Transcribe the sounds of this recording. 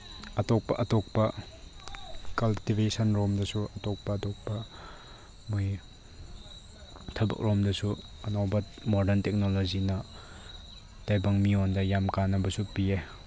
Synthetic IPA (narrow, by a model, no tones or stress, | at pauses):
ɐtɔk̚pɐ̰ʔɐtɔk̚pɐ | kɐltibesɐnɾomdɐsuɐtɔk̚pɐːtɔk̚pɐ | moj | tʰɐbɐ̰k̚ɾɔmdɐsu | ɐnawbɐmɔdɐntek̚nolozinɐ | tajbɐŋmiondɐjamkanɐbɐsupie